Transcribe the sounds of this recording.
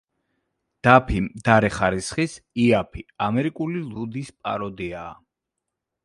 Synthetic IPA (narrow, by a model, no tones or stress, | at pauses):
d̪̥apʰimd̪̥aɾɛχaɾisχisiapʰiamɛɾikʼulilˠud̪ispʼa̰ɾɔd̪iaː